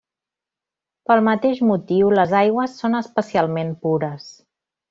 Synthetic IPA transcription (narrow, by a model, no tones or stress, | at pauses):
pəlˠmət̪eʒmut̪iwləzajɣwəsːonəspəsialˠmempuɾəs